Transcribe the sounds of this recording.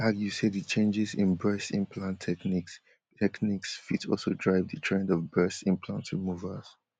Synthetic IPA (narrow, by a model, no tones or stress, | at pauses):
aɡjuseðɨt͡ʃʰẽnd͡ʒɪzɪ̃nbɜsɪ̃npʰlãntʰːɛkniks | tʰɛkniksfitsɔ̰lˠsodɹaɪvðətʰɹɛ̃ndɔvbɜ˞sɪ̃npʰlãntɹimuvəz̥